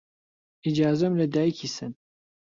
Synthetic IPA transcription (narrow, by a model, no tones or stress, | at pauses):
id͡ʒaːzɐmlɐd̪aːjikʰisɨn